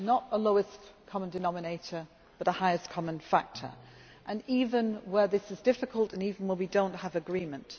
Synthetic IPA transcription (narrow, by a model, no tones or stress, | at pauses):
nəɾəloʊɨskʰɒmə̃ndɨnɑmɨneɪtə˞ | b̥ʌɾəhaɪɨskʰɒmə̃nfak̚tʰə̰˞ | ʔə̃nivə̃nwəðɪsɨzdɪfɨkʰəlˠtə̃niːvn̩wəwidõʊ̃nt̚həvɨɡɹĩːmə̃nt